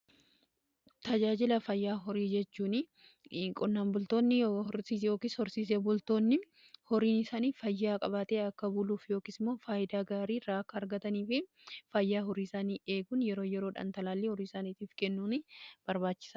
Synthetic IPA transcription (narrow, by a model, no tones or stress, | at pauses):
t̪ɐd͡ʒaːd͡ʒɪlɐfɐjːaːɦɔɾiːd͡ʒɛt͡ʃːuːnɪ | kʼɔnːaːnbʊlt̪o̞ːnːɪhɔɾsiːsjo̞ːkiːshɔɾsiːs̬ebʊlt̪o̞ːnːɪ | hɔɾiːnɪsaːniːfɐjːaːkʼɐβɐt̪eːɐkːɐbuːluːfjoːkisɪmːo̞ːfaːʔɪd̪aːɡaːɾiːɾaːkːɐːɾɡɐt̪ɐniːfɪ | fɐjːaːɦɔɾiːɪsaːniːe̞ːɡʊnjɛɾo̞ːjɛɾo̞ːᶑɐ̰nt̪ɐlaːlːehɔɾiːsaːniːt̪iːfkɛnːuːnɪb̥ɐɾbaːt͡ʃːɪ̥sɐ